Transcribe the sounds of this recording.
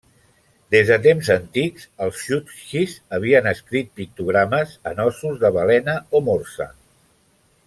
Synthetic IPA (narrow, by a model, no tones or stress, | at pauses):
d̪ezðət̪emzənt̪ikzəlˠsʃut̪ʃizəβ̞iənəskɾit̪̚pik̚t̪uɣ̞ɾaməzənɔsuzðəβəlɛnəomorsə̰